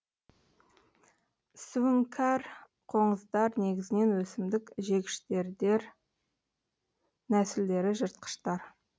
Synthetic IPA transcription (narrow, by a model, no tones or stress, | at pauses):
suuŋkʰar | qʰo̞ɴəzd̪ɑɾne̞ɡʲɪzɪne̞nwɵsɪmd̪ɪkʒe̞ɡʲɪ̥ʃt̪eɾd̪eɾ | næsɪld̪e̞ɾɪʒəɾt̪̚qə̥ʃt̪ɑɾ